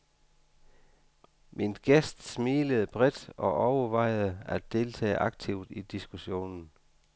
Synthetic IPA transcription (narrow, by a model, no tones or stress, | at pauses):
mʔinɡ̥esd̥smiːləð̞̩ˠəb̥ʁɛed̥ɒ̽ʔɒʊəʋɑ̈ɪ̰ð̩ˠəædd̥e̝lt͡sʰɛ̰ːʔɑ̈ɡ̥̚t͡sʰiʊd̥id̥isɡ̥uɕo̝̰ːnn̩